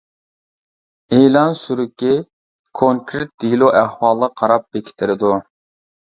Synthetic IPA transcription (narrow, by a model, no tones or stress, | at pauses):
elˠɑnsyɾɪkʲːi | kʰoŋkɾɪt̪̚d̪ilˠoʔæhwɑːlˠɑqʰɑɾɑp̚b̥ekʲʰi̥t̪ʰɪɾɪd̪u